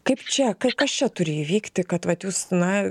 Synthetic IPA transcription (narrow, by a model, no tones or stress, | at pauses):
kɐɪpt͡ʃʲɛkɐkɐst͡ʃʲɛt̪ʊɾʲɪjiʋʲiːkt̪ʲɪkɐt̪ʋɐt̪juːsnɐ